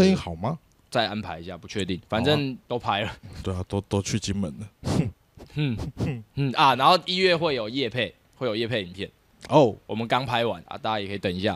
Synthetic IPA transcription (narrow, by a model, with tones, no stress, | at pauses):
ə˥˧i˥ŋxɑ˨˩ʊma˦ | t͡sa˥˨ɪʔa˦npʰa˧ɪi˧ɕja̰˥˨pu˨˦t͡ɕʰɥɛ˥˧t̪i˥˩ŋfa˨˩nʈ͡ʂə˥˧ŋt̪o˦ʊpʰa˧˥ɪlə˨˩t̪we˥˩a˨˩t̪o˦t̪o˥˦t͡ɕʰy˥˨t͡ɕi˦˥nmə˨˦nd̪ə˨˩˥ | nn̩˥˩a˨na˧˦nxo˥˨ʊi˥˧ɥɛ˥˨xwe˥˩ɪjo˨˩ʊjɛ˥˧pʰe˥˨ɪ | xwe˥ɪjo˨˩jɛ˥˧pʰe˥˩i˨˩npʰjɛ˥˨n | o˥˨˩wʔɔ˨˩mə˨˦nkɑ˦ŋpʰa˧˥ɪwa̰˨˦na̰˧˦t̪a˥˩t͡ɕa˥jkʰt̪ə˨˩ŋi˧˦ɕ̬ja̰˥˨